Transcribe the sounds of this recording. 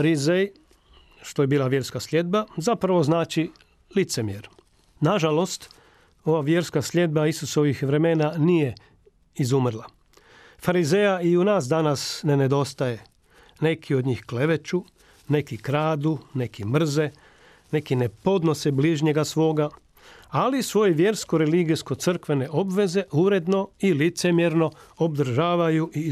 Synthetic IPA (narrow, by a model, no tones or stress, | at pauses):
faɾizej | ʃt̪o̞je̞biːlˠaʋje̞ɾskaslʲe̞d̪̚bazapɾaʋo̞znaːt͡ʃi | lit̪se̞mijeɾ | naʒalo̞st̪ | o̞ʋaʋje̞ɾskaslʲe̞d̪̚baisuso̞ʋixʋɾe̞me̞ːnanije̞ | izumr̩lˠa | faɾize̞jaiunaːsd̪anasne̞ne̞d̪o̞st̪aje̞ | ne̞kʰio̞d̪ɲiːxkle̞ʋe̞t͡ʃu | ne̞kikɾaːd̪une̞kimr̩ze̞ | ne̞kine̞po̞d̪no̞sebliːʒɲe̞ɡasʋo̞ːɡa | alisʋo̞jeʋje̞ɾsko̞ɾe̞liɡisko̞t̪sɨr̩kʋe̞ne̞ʔo̞bʋe̞ze̞ʔuɾe̞d̪no̞ilit̪se̞mjeɾno̞obd̪r̩ʒaːʋajuʔi